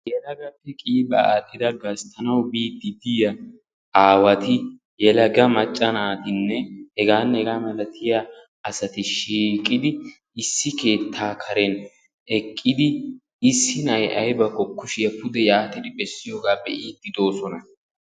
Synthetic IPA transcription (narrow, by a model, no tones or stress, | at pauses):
jɛlɐɡɐpːɛkʼiːbɐaːɗːɪd̪ɐɡɐst̪ʰɐnɐwbiːd̪ːɪd̪ɪjɐ | aːwɐt̪ɪ | jɛlɐɡɐmɐt͡ʃʼːɐnaːt̪ɪnːɛhɛɡaːnhɛɡaːmɐlɐt̪ʰɪja | ɐsɐt̪ɪʃiːkʼːɪd̪ɪ | ɪsːɪke̞ːt̪ʰːaːkʰɐɾɛn | ɛkʼːɪd̪ɪ | ɪsːɪnɐjʔɐjbɐkɔkːʊʃɪjɐpʊd̪ɛjaːt̪ɪd̪ɪbɛsːɪjoːɡaːbɛʔiːd̪ːɪd̪o̞ːsɔnɐ